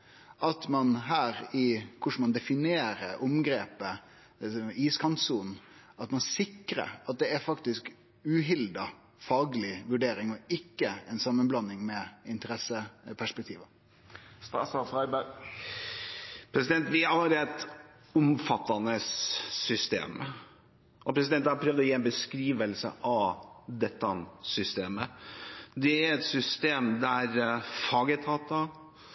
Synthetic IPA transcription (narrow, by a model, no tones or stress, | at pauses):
ʔɑt̪mɑnɦæːɾɪkʰʊʂmɑnd̪ɛfɪneːɾəɾʔʊmɡɾeːpə | iːskʰɑnt̪suːnɑt̪mɑnsɪkːɾə̰ɾɑt̪̚d̪ɛæfɑkt̪ɪsk | ʉːɦɪld̪ɑ | fɑːɡlɪʋʉɖeːɾɪŋɔɪkːəɛnsɑmːənblɑnːɪŋmɛɪnt̪əɾɛsəpʰæʂpɛk̚t̪ʰiːʋə | st̪ɑ̰sɑfʁɑɪbæ | pʰɾɛsɪd̪ɛnt̪ʋɪɑɾɛt̪ | ʊmfɑt̪ːɑnəsːʏst̪ḛːm | ʔɔpɾɛs̬ɪd̪ɛnt̪ːɑɑɾpʰɾøːʋd̪ɔjiːɛnbəskɾiːʋəlsə̰ʔɑʋd̪ɛt̪ːɑnsʏst̪eːmə | d̪ɛæɾɛt̪sʏst̪eːmd̪æɾfɑːɡət̪ʰɑːt̪ɑ